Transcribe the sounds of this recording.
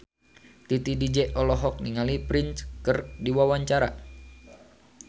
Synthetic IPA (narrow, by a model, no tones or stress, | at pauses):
t̪it̪idid͡ʒɛʔɔlɔɦɔk̚niŋalipɾinskərdiwawaɲt͡ʃaɾa